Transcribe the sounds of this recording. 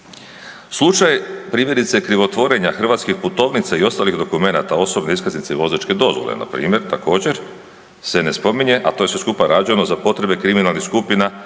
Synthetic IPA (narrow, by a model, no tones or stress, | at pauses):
slˠut͡ʃajpɾiːmjeɾit̪se̞kɾiʋo̞t̪ʋo̞ɾe̞ɲaxr̩ʋat̪skixput̪o̞ːʋnit̪saio̞st̪alixd̪o̞kume̞nat̪ao̞so̞bne̞iskaznit̪seʋo̞zat͡ʃke̞d̪o̞zʋo̰lḛna̰pɾḭːmje̞ɾt̪ako̞ːd͡ʑe̞ɾ | se̞ne̞spo̞miɲe̞ʔat̪oje̞sʋe̞skupaɾad͡ʒujenozapo̞t̪ɾe̞be̞kɾiminalˠnixskupina